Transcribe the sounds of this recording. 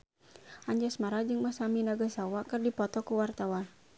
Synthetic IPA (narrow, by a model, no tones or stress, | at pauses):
ʔaɲd͡ʒasmaɾad͡ʒɨŋmasaminaɡasawakɨrdipɔt̪ɔkuwart̪awan